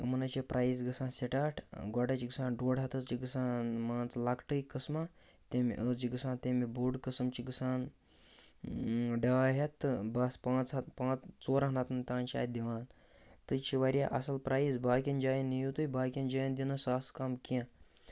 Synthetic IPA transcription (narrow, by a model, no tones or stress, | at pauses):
mɐnɐt͡ʃepɾʔaːjs̬ɡəsãːnseʈaːʈʰɡaɖat͡ʃiɡɨsaːnɖoːɽat̪əst͡ʃiɡɨsaːnmaːnt͡slakʈəjkəsma | t̪ẽmḭʔət͡ʃiɡɨsãːnt̪emibuɖkəsɐmt͡ʃiɡɨsaːn | ɖaːɦet̪ːɨbɐspãːt͡spãːt͡st͡soːɾãɦnat̪nt̪ãːnt͡ʃia̰ːd̪iʋaːn | t̪ɨt͡ʃʰiʋaɾʲja̰ʔɐsɐlpɾʔaːisbaːkʲind͡ʒaːjinijut̪ujbaːkʲĩnd͡ʒaːjind̪ʲinɐsaːskaːmkjã